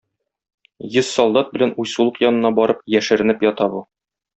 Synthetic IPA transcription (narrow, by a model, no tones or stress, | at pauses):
jɤzsɒlˠd̪ɑt̪̚bɘ̆lænujsulˠɤqjɒnɤ̆nɑbɒɾɤp̚jæʃɘ̆ɾɘ̆nɘpjɒt̪ɑbu